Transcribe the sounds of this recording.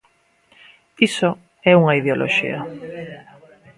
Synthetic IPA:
iso | ɛuŋɐiðeolʔo̰ʃḭɐ

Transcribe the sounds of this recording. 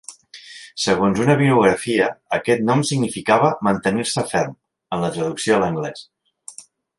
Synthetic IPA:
səɣonzunəβiuɣ̞ɾəfiəːkɛt̪nɔmsiɡnifikaβəmənt̪əniɾsəfɛɾm | ənlət̪ɾəðuksioələŋɡlɛs

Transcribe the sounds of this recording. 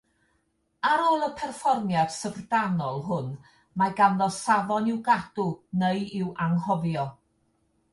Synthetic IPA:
aɾoːlˠəpʰɛrfɔrmjad̥səvrdanɔlˠɦʊn | maɡanðɔsavɔnɪwɡad̥ʊneɨɪwʔaŋhɔvjɔ

